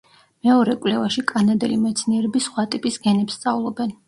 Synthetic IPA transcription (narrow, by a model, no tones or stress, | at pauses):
mɛɔɾɛkʼlɛvaʃikʼanad̪ɛlimɛt̪sʰniɛɾɛbisχwat̪ʼipʼisɡɛnɛpst̪sʼavlˠɔbɛn